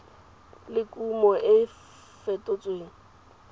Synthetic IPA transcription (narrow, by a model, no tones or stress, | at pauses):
lɪkʼumɔʔɪ | fetʼʊt͡sʼweːŋ̩